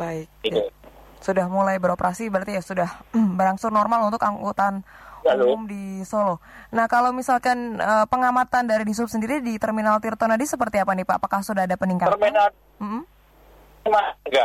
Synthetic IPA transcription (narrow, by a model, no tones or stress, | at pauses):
baɪk̪̚ | sudahmulajbəɾopəɾʔasibəɾərt̪ijasudahbəɾaŋsʊrnɔrmalunt̪ʊkaŋɡot̪anamdisolonahkalawmisalkanəpəŋamat̪andaɾidis̬up̚səndiɾidit̪ərminalt̪irt̪onadisəpərt̪iapanipaːpakahsudahadapəniŋkat̪ərmia | m̩m̩ | maɡa